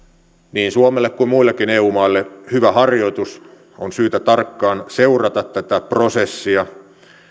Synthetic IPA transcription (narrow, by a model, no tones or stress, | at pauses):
niːnsuomelːekkuimmuilːekineːuːmɑilːehyʋæhɑrjo̞it̪us | onsyːt̪æt̪ɑrkːɑːnseurɑt̪ɑt̪tæt̪æprosesːiɑ